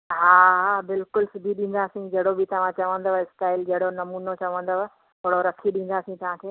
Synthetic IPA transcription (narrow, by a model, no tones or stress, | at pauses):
ɦaːɦbɪlkʊlsʊbʱiɗĩːn̆d̪aːsĩd͡ʑɐɽobʱɪt̪ɐʋ̤ãt͡ɕɐʋə̃nd̪oːesʈaːɪld͡ʑɐɦɽonɐmuːnot͡ɕɐʋə̃nd̪oː | oɽoɾɐkʰiɗĩːn̆d̪aːsĩt̪ɐʋ̤ãkʰeː